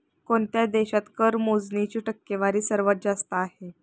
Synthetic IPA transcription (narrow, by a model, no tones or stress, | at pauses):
koɳt̪jad̪eɕat̪kəɾmod͡znit͡ɕiːʈəkːeʋaɾiːsəɾʋət̪̚d͡zast̪aːɦe